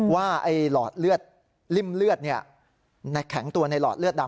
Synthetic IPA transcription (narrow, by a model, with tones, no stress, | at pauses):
waː˥˩ʔa˧˩jlɔː˨˩t̪̚lɯ˥˩ət̪̚ | li˥˩mlɯ˥˩ət̪̚ni˥˩ɐə | na˧˩kʰɛ˩˦ŋt̪u˧ɐna˧jlɔ̰ː˨˩t̪̚lɯ˥ət̪̚da˧